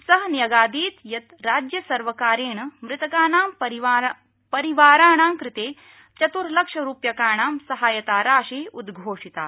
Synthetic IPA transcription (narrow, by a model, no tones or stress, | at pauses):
sɐɦɐnjɐɡaːd̪iːt̪jɐt̪ɾaːd͡ʒjɐsɐɾʋɐkaːɾeːɳɐmɾɪt̪ɐkaːnaːmpɐɾia | pɐɾiʋaːɾaːɳaːmkɾɪt̪eː | t͡ʃɐt̪uɾlɐkʂɐɾuːpjɐkaːɳaːmsɐɦaːjɐt̪aːɾaːʃiːud̪ɡʱoːʂit̪a̰ː